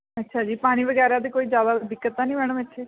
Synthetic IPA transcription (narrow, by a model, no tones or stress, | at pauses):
ətːʃʰaːd͡ʒiːpaːɽ̃iːʋəɡɛːɾãd̪̬eːkoːiːzjaːd̪aːd̪ɪkːət̪ːãːnĩːʋɛːɽəmɛʃʰeː